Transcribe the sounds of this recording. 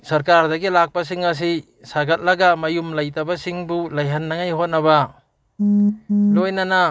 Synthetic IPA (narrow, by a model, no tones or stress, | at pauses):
sɐɾkaɾdɐɡilak̚pɐs̬iŋɐs̬i | saɡɐt̚lɐɡɐmɐjumlɐjtɐbɐsiŋbulɐjɦɐnːɐŋajhot̚nɐbɐ | lojnɐnɐ